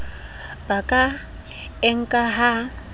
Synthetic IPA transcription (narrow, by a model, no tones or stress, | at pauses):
b̥akʼa | ɛŋ̩kʼaɦa